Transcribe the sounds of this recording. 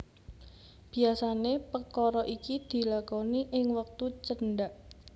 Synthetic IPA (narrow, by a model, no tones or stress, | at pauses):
b̥i̤asanepəkɔɾɔʔikid̪̥i̤lakɔniʔɪŋwək̚t̪ut͡ʃənɖaʔ